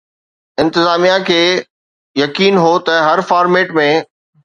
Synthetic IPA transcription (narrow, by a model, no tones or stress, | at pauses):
ɪ̃nt̪ɪzaːmijakʰeː | jɐkiːnɦot̪ɐɦɐɾfaːɾmeːʈmẽ